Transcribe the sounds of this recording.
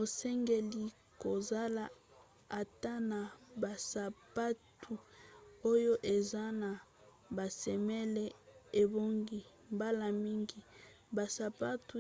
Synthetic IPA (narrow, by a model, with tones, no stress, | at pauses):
o˨sɛ˦ŋɡe˨li˦ | ko˨za˦la˨ | a˨ta˦na˨ba˨sa˨pa˦tu˨o˦jo˦ʔe˨za˦na˨ | ba˨sɛ˨mɛ˦lɛ˦e˨bo˦ŋɡi˦ | mba˦la˨mi˦ŋɡi˨ | ba˨sa˨pa˦tu˨